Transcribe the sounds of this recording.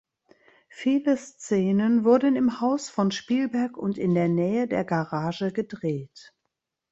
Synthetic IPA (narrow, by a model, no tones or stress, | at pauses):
fiːləst͡sɛːnənvʊɐdən̩ɪmhaʊsfɔnʃpiːlbɛɐkʊntɪndeːɐnɛːədeːɐɡaʁaːʒəɡədʁeːt